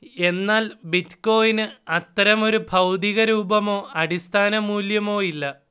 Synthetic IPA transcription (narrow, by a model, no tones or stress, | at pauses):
e̞nːaːlbitko̞ːjinɨɐt̪ːɐɾɐmo̞ɾubʱɐwd̪iɣɐɾuːbɐmo̞ːɐɽist̪ʰaːnɐmuːljɐmo̞ːilːɐ